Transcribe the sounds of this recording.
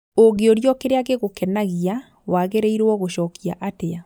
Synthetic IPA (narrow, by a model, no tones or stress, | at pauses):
oɣeoɾjɔkeɾeaɣeɣokɛnaɣia | waɣeɾeiɾɔɣoɕɔːkiaʔatea